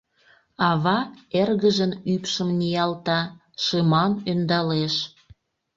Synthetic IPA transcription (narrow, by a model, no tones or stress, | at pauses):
ɑβɑerɣəʒənypʃəmnʲijɑlt̪ɑ | ʃɤmɑnønd̪ɑleʃ